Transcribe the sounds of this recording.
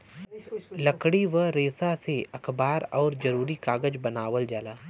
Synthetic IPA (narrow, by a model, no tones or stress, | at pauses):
lɐkɽiʋəɾeːsaseɐkʰbaːɾɔːɾd͡ʒɐɾuːɾikaːɡəd͡ʒbɐnaːʋəld͡ʒaːlaː